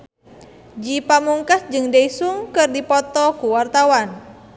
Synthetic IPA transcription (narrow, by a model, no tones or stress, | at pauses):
d͡ʒipamuŋkasd͡ʒɨŋdeisuŋkɨrdipɔt̪ɔkuwart̪awan